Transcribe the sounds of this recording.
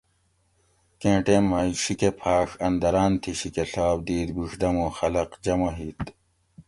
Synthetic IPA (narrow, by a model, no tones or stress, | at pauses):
kẽːʈeːnmɐːiɕikepʰaːxɐnd̪ɐɾaːnt̪ʰiɕikeɬaːb̚d̪iːd̪bixd̪ɐmoxɐlɐqd͡ʑɐmɐɦiːt̪